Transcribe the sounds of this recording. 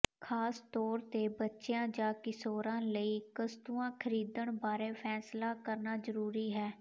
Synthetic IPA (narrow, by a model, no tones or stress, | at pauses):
kʰaːst̪ɔːɾt̪eːbətːʃejãːd͡ʒaːkɪsoːɾãːləiːkəst̪uːãːkʰəɾiːd̪əɳbaːɾeːpʰɛːslaːkəɾnaːzəɾuːɾiːɦɛː